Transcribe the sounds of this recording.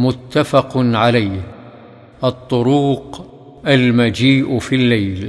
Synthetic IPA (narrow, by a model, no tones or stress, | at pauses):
mʊt̪ːafɑqnʕalajh | ʔɑt̪ˤːʊɾuːq | ʔalmad͡ʒiːʔfilːajl